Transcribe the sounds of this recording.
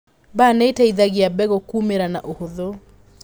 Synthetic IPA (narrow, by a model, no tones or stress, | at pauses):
banɛitaiðaɣiabɛɣɔkumeɾana̰ʔohoðo